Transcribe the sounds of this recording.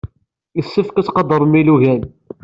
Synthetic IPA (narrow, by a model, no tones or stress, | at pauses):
isːəfkæsqɑd̪əɾˤmiluʝæn